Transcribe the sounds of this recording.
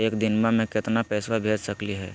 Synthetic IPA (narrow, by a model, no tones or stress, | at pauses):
eːkd̪ɪnbamẽkɪt̪napɛːswabʱeːd͡ʒsəkliɦɛ̰ː